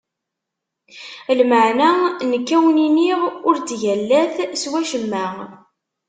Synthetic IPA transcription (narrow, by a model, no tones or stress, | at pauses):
lməʕnanəkːæwniniʁʊɾt͡sʝælːæθswæʃəmːæ